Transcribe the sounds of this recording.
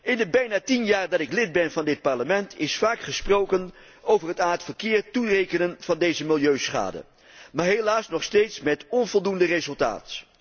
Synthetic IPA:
ɪndəbɛjnaːtinjaːrdɑtɪklɪd̚bɛnvɑndɪt̚pɑɹləmɛntʰɪsfaːkχəsprowkən | owvərɦətaːtfəɹkɪːrturejkənənv̥ɑndejzəmɪlˠjøɥsχa̰ːdə̰ | maːɹɦelaːsnɔχstejtsmɛtɔnvɔlˠdundərezɵlˠta̰ːt

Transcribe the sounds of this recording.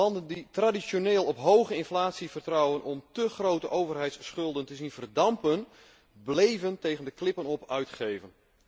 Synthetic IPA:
ɑndənditradisjoneːlˠɔpɦowɣəɪnflaːtsivərtrɑwənʔɔmtəχrowtəʔowvərɦɛjtsχɵlˠdəntəzinvərdɑmpən | blejvəntejɣəndəklɪpənɔpœɥtχejvən

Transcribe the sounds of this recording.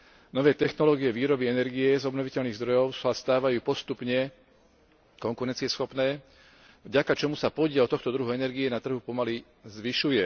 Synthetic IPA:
nɔʋɛːt̪ɛxnɔlɔːɡijɛʋiːɾɔbiɛnɛɾɡijɛzɔbnɔʋicɛʎniːɣzd̪ɾɔjɔʊsast̪aːʋajuːpɔst̪upɲɛ | kɔŋkuɾɛnt͡siɪɛsxɔpnɛː | vɟakat͡ʃɔmusapɔɟɪɛlt̪ɔxt̪ɔd̪ɾuɦuɛnɛɾɡiɛnat̪r̩ɦupɔmali | zʋiʃujɛ

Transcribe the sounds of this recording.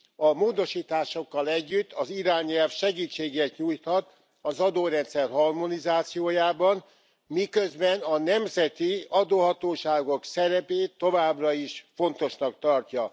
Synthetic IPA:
ɒmoːd̪o̞ʃiːt̪aːʃo̞kːɒlɛɟːyt̪ːɒziɾaːɲɛlfʃɛɡiːt͡ʃːeːɡeːt̪ɲuːjt̪hɒt̪ | ɒzɒd̪oːɾɛnt̪sɛrɦɒrmo̞nizaːt̪sijoːjaːbɒn | mikøzbɛnɒnɛmzɛt̪iɒd̪oːɦɒt̪oːʃaːɡo̞ksɛɾɛpeːt̪ːovaːbrɒiʃfo̞nt̪o̞ʃnɒk̚t̪ɒrcɒ

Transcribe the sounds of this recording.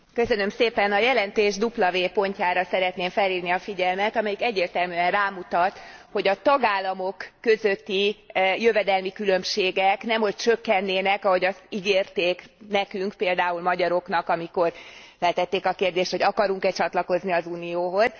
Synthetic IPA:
kø̞sø̞nømseːpɛnɒjɛlɛnt̪eːʒd̪uplɒveːpo̞ɲcaːɾɒsɛɾɛt̪neːɱfɛlːiːrniɒfiɟɛlmɛt̪ɒmɛjikɛɟːeːrt̪ɛlmyːɛnraːmut̪ɒt̪ho̞ɟɒt̪ɒɡaːlːɒmo̞kːø̞zø̞t̪ːijøvɛd̪ɛlmikylø̞mʃeːɡɛknɛmho̞c̚t͡ʃø̞kːɛnːeːnɛkɒɦo̞ɟɒst̪iɡeːrt̪eːknɛkyŋkpeːld̪aːulmɒɟɒɾo̞knɒkɒmiko̞r | fɛlt̪ɛt̪ːeːkɒkeːrd̪eːʃt̪ho̞ɟɒkɒɾuŋkɛt͡ʃɒt̪lɒko̞zniɒzuːnijoːɦo̞z̥

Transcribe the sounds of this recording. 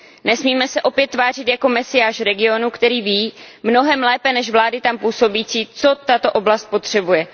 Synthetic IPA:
nɛsmiːmɛsɛʔo̞pjɛt̪ːvaːr̝ɪt̪jako̞mɛsɪjaːʃɾɛɡɪo̞nukt̪ɛɾiːviːmno̞ɦɛmlɛːpɛnɛʃvlaːdɪt̪ampuːso̞biːt͡siːt͡so̞t̪at̪o̞ʔo̞blast̪̚po̞t̪r̝̥ɛbujɛ

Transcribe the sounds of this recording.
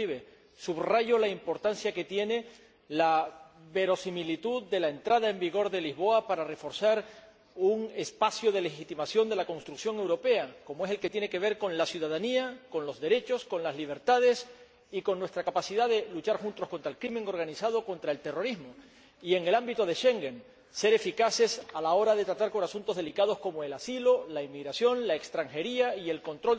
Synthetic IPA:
iβe | suβraʝo̞laimpo̞ɾt̪ansjake̞t̪je̞ne̞ | laβe̞ɾo̞similit̪uðd̪e̞laent̪ɾað̞ae̞mbiɣ̞o̞ɾðe̞lizβo̞apaɾare̞fo̞ɾsaɾ | uŋe̞spasjoð̞e̞le̞xit̪imasjo̞nd̪elakõ̞nst̪ɾuksjoŋe̞wɾo̞pe̞ako̞moese̞lke̞t̪je̞neke̞β̞e̞ɾko̞ŋlasjuð̞að̞aniako̞nlo̞zðe̞ɾe̞t͡ʃo̞sko̞nlazliβ̞e̞ɾt̪að̞e̞s | iko̞nːwe̞st̪ɾakapasiðaðelut͡ʃaɾxunt̪oskont̪ɾaelkɾimẽ̞ŋo̞ɾɣ̞anisað̞o̞ko̞nt̪ɾae̞lt̪e̞ro̞ɾizmo | ie̞ŋe̞lambit̪o̞ð̞e̞ʃe̞ŋɡen | se̞ɾe̞fikase̞salao̞ɾaðe̞t̪ɾat̪aɾko̞nasunt̪oðelikað̞o̞sko̞moe̞lasilo̞laimːiɣɾasjo̞nlaekst̪ɾaŋxe̞ɾiaie̞lko̞nt̪ɾo

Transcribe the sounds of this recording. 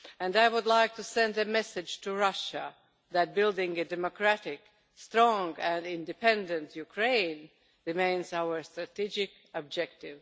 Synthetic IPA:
æ̃ndaɪwʊdlaɪk̚tʰusɛ̃ndɨmɛsɨ̥d͡ʒ̥tʰuɹʌʃə | ðæt̚bɪlˠdɪ̃ŋɨdɛmokʰɹ̥æɾɪk | stɹɔ̃ŋɨ̃nɪ̃ndɨpʰɛ̃ndɨ̃ntjukʰɹẽɪ̃n | ɹɪmẽɪ̃nzaʊə˞stɹ̥ɨtid͡ʒɪk | əb̚d͡ʒɛk̚tɪv̥

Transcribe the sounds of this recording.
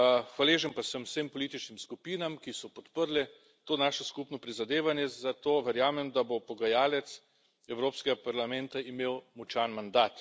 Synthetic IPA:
xʋaleːʒənpasəmwsempɔliːt̪it͡ʃnimskupiːnamkisɔpɔt̪pəɾlɛ | t̪oːnaːʃɔskupnɔpɾizad̪eːʋanjɛzat̪oːʋɛɾjaːmɛmd̪abopɔɡajaːlɛt̪s | ɛwɾoːpskɛɡapaɾlamɛnt̪aimewmut͡ʃanmand̪aːt̪

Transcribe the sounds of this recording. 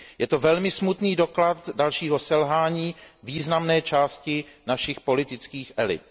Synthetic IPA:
jɛt̪o̞vɛlmɪsmut̪niːdo̞klat̪dalʃiːɦo̞sɛlɦaːɲiːviːznamnɛːt͡ʃaːscɪnaʃɪxpo̞lɪt̪ɪt͡skiːxʔɛlɪ̰t̪̚

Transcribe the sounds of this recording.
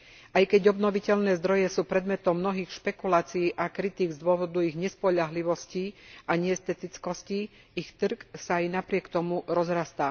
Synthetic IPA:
ʔajkɛɟɔbnɔʋicɛʎnɛːzd̪ɾɔjɛsuːpɾɛd̪mɛt̪ɔmːnɔɦiːxʃpɛkulaːt͡siiːʔakɾit̪iːɡzd̪ʊɔʋɔd̪uiɣɲɛspɔʎaɦliʋɔsciʔaɲɛɛst̪ɛt̪it͡skɔsci | ixt̪r̩ksaːjnapɾɪɛkt̪ɔmuɾɔzɾast̪aː

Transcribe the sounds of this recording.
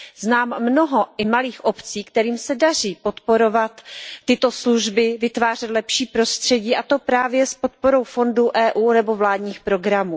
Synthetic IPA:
znaːmːno̞ɦo̞ʔɪmaliːxʔo̞pt͡siːkt̪ɛɾiːmsɛdar̝iːpo̞t̪po̞ɾo̞vat̪ːɪt̪o̞sluʒbɪvɪt̪vaːr̝ɛt̪lɛpʃiːpɾo̞st̪r̝̥ɛɟiːʔat̪o̞pɾaːvjɛspo̞t̪̚po̞ɾo̞wfo̞nduʔɛːʔuːnɛbo̞vlaːdɲiːxpɾo̞ɡɾamuː

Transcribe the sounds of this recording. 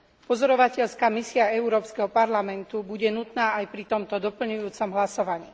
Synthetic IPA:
pɔzɔɾɔʋacɛʎskaːmisiaɛuɾɔːpskɛɦɔpaɾlamɛnt̪ubuɟɛnut̪naːajpɾit̪ɔmt̪ɔd̪ɔpl̩ɲujuːt͡sɔmɦlasɔʋaɲḭː

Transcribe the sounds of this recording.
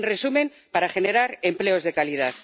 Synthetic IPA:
nre̞sumẽ̞m | paɾaxe̞ne̞ɾaɾe̞mple̞o̞zðe̞kalið̞aθ

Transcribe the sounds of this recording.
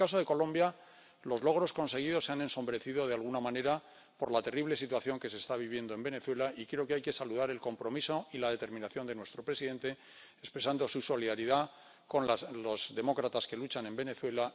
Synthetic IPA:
kaso̞ðe̞ko̞lõ̞mbja | lo̞zlo̞ɣɾo̞sko̞nse̞ɣ̞iðo̞sːeane̞nsombɾe̞θiðo̞ð̞ealɣunamãne̞ɾa | po̞ɾlat̪e̞riβle̞sit̪waθjo̞ŋke̞se̞ːst̪aβ̞iβ̞je̞nd̪o̞e̞mbe̞ne̞θwe̞laikɾe̞o̞keajke̞saluðaɾe̞lko̞mpɾo̞miso̞ilaðe̞t̪e̞ɾmĩnaθjo̞nd̪e̞nwe̞st̪ɾo̞pɾesiðe̞nt̪e̞ | espɾe̞sand̪o̞suso̞liðaɾiða | ko̞nlo̞zðe̞mo̞kɾat̪aske̞lut͡ʃanẽ̞mbe̞ne̞θwe̞la

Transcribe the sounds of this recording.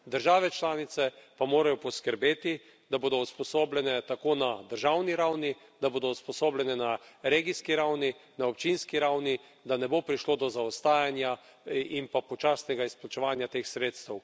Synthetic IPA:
d̪əɾʒaːʋɛt͡ʃlaːnit̪sɛpamoːɾajɔpɔskəɾbeːt̪i | d̪aboːd̪ɔuspɔsoːblʲɛnɛt̪akoːnad̪əɾʒawniɾawnid̪aboːd̪ɔuspɔsoːblʲɛnɛnaɾeɡiskiɾawninaɔpt͡ʃinskiɾawni | d̪anɛboːpɾiʃlod̪ɔzaɔst̪aːjanja | impapɔt͡ʃaːsnɛɡaisplat͡ʃɛʋaːnjat̪eːxsɾeːt̪st̪ɛw

